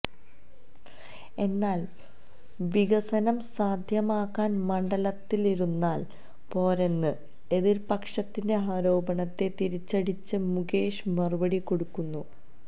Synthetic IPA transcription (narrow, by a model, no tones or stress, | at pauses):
e̞nːaːl | ʋiɡɐsɐnɐmsaːd̪ʱjɐmaːkːaːnmɐɳɖɐlɐt̪ːiliɾunːaːl | po̞ːɾenːɨ | e̞ðiɾpɐkʂɐt̪ːinde̞ɦaːɾo̞ːbɐɳɐt̪ːe̞t̪iɾit͡ɕːɐɽit͡ɕːɨmuɡeːʂmɐrubɐɽikːo̞ɽukːunːu